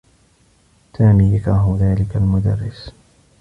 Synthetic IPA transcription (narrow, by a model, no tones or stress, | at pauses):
saːmiːjakɾˤɑːɦʊðaːlɪkalmʊd̪a̰rːɪs